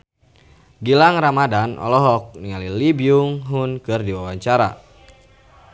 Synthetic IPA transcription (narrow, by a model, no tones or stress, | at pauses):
ɡilaŋramadanʔɔ̰lɔɦɔk̚niŋalilibiuŋɦʊnkɨrdiwawaɲt͡ʃaɾa̰